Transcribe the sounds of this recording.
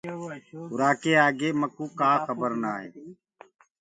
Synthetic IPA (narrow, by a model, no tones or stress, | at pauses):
hʊɾaːkeːaːɡeːməkuːkaːxəbəɾnaːɦḛː